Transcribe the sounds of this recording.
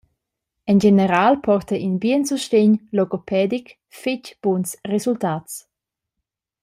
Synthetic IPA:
ɛnd͡ʒenəɾaːlpʰɔrt̪əʔinbiənsuʃteɲlɔɡopʰɛːd̪ik | fɪcb̥unsrezult̪aːts

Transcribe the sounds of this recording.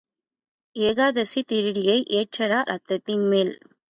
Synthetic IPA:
eːɣaːðɐsit̪ɪɾɪɽɪjɐɪʔeːʈrɐɾaɾʔɐt̪ːɐt̪ːɪnmeːl

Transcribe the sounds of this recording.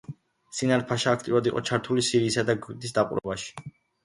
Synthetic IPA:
sinaɾpʰaʃaːk̚ʰt̪ʼiuɾad̪iqʼɔt͡ʃʰaɾt̪ʰulisiɾiːsad̪aɡid̪isd̪aqʼṵɾɛ̰baʃi̥

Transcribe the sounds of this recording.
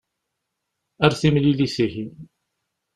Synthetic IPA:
æɾθimlilisihi

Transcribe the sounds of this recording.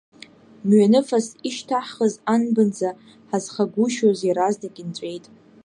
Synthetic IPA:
mɥanɨfasiʃtʰaħχəzanbɨnd͡za | ħazχaɡʷuʃoziɾazdaɡʲɪnt͡ɕʷʼe̞jtʼ

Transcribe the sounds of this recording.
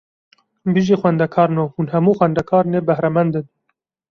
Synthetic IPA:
biʒiːxwɛnd̪ɛkʰɑːɾnoːhuːnhɛmuːxwɛnd̪ɛkʰɑːɾneːbɛhɾɛmɛnd̪ɨn

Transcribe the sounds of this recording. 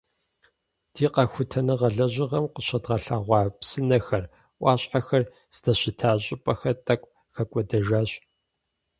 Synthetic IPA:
d̥iːqɐxʷʊtʰɐnɨʁɐɮɐʑɪʁɐmqəɕɐdʁɐɬaːʁʷɑːpsɨnɐxɐr | ʔʷɑːɕʼħaxɐr | z̥dɐɕɪtʰaːɕʼɪpʼɐxɐtʼɐkʷʼ | xɐkʷʼɔdɐʒaːɕʼ

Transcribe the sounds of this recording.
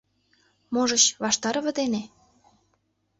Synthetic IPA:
moʒə̆t͡ɕβɑʃt̪ɑɾə̆βə̆d̪ene

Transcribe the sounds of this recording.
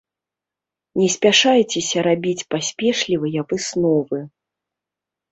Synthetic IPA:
nʲɛsʲpʲaʂajɛt͡sʲɛsʲɐɾabʲit͡sʲpasʲpʲɛʂlʲivɨjɐvɨsnɔvɨ

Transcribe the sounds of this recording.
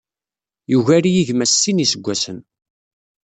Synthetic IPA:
juʝæɾijiʝmæsːinisəɡʷːæsən

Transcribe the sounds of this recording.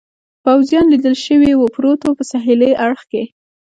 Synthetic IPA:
pawzjɑnlid̪əlʃəwiwəpɾot̪opəsɑɦileʔaɽxke

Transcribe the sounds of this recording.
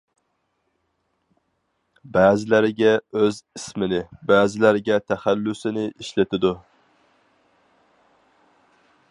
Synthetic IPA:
bæːzɪlæɾɪɡʲɛøzismɪnɪbæːzɪlæɾɪɡʲɛt̪ʰæχælːʊsɪnɪʔiʃlɪt̪ʰɪd̪u

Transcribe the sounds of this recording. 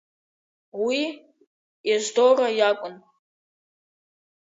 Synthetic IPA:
wi | jaʒʷdorajakʷʼʊn

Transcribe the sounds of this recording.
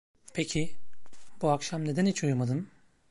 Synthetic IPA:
pʰecʰi | b̥uakʃamned̪ænit͡ʃujmad̪ɯn

